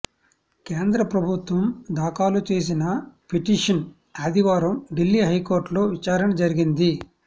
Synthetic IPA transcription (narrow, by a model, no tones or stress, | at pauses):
keːnd̪ɾɐpɾɐbʱut̪ʋɐmd̪aːkaːlut͡ʃe̞ːs̬inɐpʰiʈiːʂɐn | ɐd̪iʋaːɾɐmɖilːiːɦɐjkoːɾʈlo̞ːʋit͡ʃaːɾɐnɐd͡ʒɐɾiɡind̪i